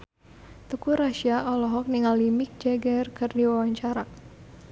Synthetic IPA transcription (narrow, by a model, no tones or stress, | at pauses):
t̪ukuɾaʃiaʔɔlɔɦɔk̚niŋalːimik̚d͡ʒaɡarkɨrdiwawaɲt͡ʃaɾa